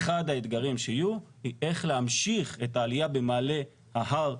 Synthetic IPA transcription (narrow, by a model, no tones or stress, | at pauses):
χadhaed̪ɡaʁimʃeijuhiʔe̞χleamʃiχe̞taːlijabe̞maːle̞ | haɦaʁ